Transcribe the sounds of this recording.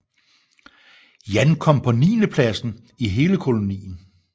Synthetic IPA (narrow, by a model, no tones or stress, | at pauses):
jænkʰɒ̽m̰pʰɒ̽niːnəpʰlæsn̩ | iɦe̝ːləkʰo̝lo̝nḭːn̩